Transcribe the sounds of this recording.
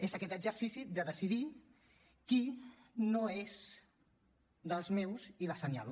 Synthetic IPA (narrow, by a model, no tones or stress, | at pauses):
ezakɛt̪əd͡ʒəɾsisid̪əðəsiði | kinoez | d̪əlˠzmewzilasənja̰l